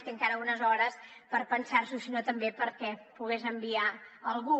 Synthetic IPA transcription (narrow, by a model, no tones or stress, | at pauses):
t̪eəŋkaɾəunəzɔɾəspəɾpənsaɾsusinot̪əmbepəɾkɛpuɣ̞ezəmbiaəlˠɣu